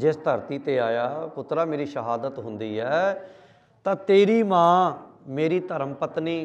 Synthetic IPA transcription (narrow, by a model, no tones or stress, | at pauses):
d͡ʒɪst̪əɾt̪iːt̪eːaːjaːpʊt̪ɾaːmeːɾiːʃəɦaːd̪ət̪ɦʊnd̪iːɦɛː | t̪ãːt̪eːɾiːmãːmeːɾiːt̪əɾəmpət̪niː